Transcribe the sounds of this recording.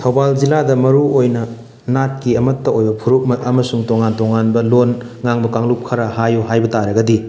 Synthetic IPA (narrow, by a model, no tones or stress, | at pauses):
tʰɐwbald͡ʒiladɐmɐɾuojnɐ | nat̚kiɐmɐtːɐojbɐpʰuɾuk̚mɐɐmɐsuŋtoŋantoŋanbɐlon | ŋaŋbɐkaŋlup̚kʰɐɾɐhajuɦajbɐtaɾɐɡɐdi